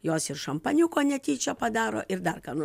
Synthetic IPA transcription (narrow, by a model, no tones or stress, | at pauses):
joːsɪrʃɐmpɐnʲʊkoːnʲɛt̪ʲiːt͡ʃʲɛpɐd̪ɑːɾo̰ːʔɪɾd̪ɐrkɑːnʊ